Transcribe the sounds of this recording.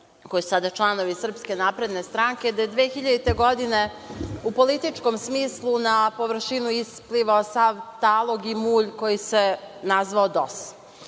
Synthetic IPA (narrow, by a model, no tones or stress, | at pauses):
ko̞jisu̥sad̪at͡ʃlˠano̞ʋisr̩pske̞naːpɾed̪ne̞st̪ɾaŋkʲe̞d̪ajed̪ʋeːxiʎad̪it̪e̞ɡo̞d̪ine | upo̞lit̪it͡ʂkomsmiːslˠunapo̞ʋr̩ʃinuispliʋaosaʋt̪aːlˠo̞ɡimuːʎko̞jisenazʋaod̪os